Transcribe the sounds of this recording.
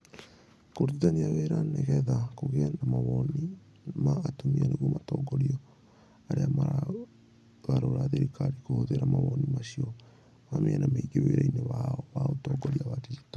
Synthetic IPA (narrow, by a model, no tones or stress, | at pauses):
koɾuitaniaɣeɾaneɣɛðakoɣɛndamaβɔni | maːtomianeɣomatɔɡɔɾiɔ | aɾeamaɾa | ɣaɾoɾaðeɾikaɾikohoðeɾamaβɔnimaɕiɔ | mameanameiɡeweɾaineβaɔβaotɔɡɔɾiaβatiitɔ